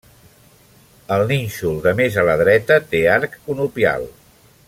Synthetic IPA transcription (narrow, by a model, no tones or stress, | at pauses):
əlˠninʲʃulˠd̪əmezələðɾɛt̪ət̪eaɾkunupia̰lˠ